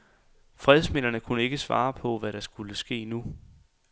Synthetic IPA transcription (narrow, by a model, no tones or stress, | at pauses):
fʁɛðˠsme̝l̰ɐnəkʰunəe̝ɡ̥əsʋɑ̰̈ːpʰɒ̽ʋæɾ̥ɑ̈sɡ̥uləsɡ̥e̝̰ːnu